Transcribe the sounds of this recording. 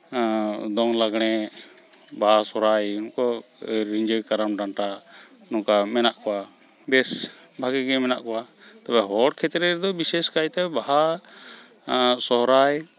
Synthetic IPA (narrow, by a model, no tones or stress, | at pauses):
d̪ɔŋlaɡɽ̃ɛ | baasɔɾajunkɔɾiɲd͡ʒəjkaɾamɖaɳʈanɔkamɛnaʔkɔwa | b̪ɛs | bʱaɡɛɡɛmɛna̰ʔkɔwa | t̪abɛɦɔɽkʰɛt̪ɾɛɾd̪ɔbisɛskajt̪ɛbaɦa | sɔɦɾaj